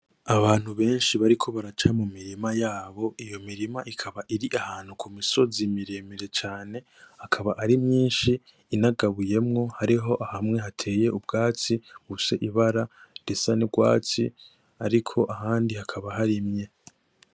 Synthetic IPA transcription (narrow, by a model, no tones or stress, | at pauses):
aβaːn̥huβe̞ːnʃiβaɾikʰo̞βaɾat͡ʃamumiɾimajaːβo̞ʔijo̞miɾimaʔikʰaβaʔiɾiʔahaːn̥hukʰumiso̞zimiɾeːmeɾe̞t͡ʃaːne̞ | akʰaβaʔaɾimɲiːnʃiː | naɡaβuje̞mŋo̞haɾiɦo̞ʔahamŋe̞ɦatʰe̞ːje̞ʔub̚ɡaːt͡siuse̞ʔiβaɾad̥esaniɡwa̰ːt͡si | aɾikʰo̞ʔaɦaːndihakʰaβaɦaɾimɲe̞